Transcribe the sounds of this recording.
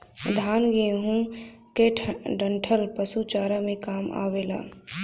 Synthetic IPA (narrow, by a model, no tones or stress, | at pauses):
d̪ʱaːnɡiɦũkeʈʰɖəɳʈʰəlpəsut͡ʃaːɾamẽkaːma̰ːweːla̰ː